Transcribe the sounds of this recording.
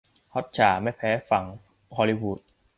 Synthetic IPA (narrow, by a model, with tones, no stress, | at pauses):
hɔ˦˥t̪̚t͡ɕʰaː˩˦ma˥˩jpʰɛː˦˥fa˩˦ŋ | kʰɔː˧li˧wuː˨˩t̪̚